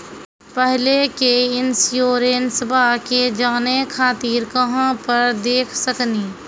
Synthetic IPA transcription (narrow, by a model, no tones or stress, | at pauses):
pɛɦlekeɪnsjoːɾeːnsəbʱaked͡ʒaːnekʰaːt̪iːɾkɐɦãpɐɾd̪eːkʰsɐkniː